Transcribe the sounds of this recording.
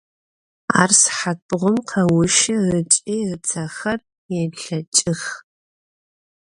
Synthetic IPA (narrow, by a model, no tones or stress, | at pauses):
a̰ːrsħat̚bʁʷʊmqʰɐwʊʃɪrɨt͡ʃʼirt͡sʰɐxɐr | jɛɬɐt͡ʃʼɪx